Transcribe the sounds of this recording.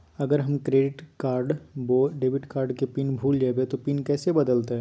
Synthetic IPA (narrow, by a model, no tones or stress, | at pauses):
ɐɡəɾɦɐmkɾeːɖɪʈkaːɾɖboːɖeːʋɪʈkaːɾɖkepiːnbʱuːld͡ʒaːbet̪opiːnkɛːsebɐd̪əlt̪eɦɛ̃ː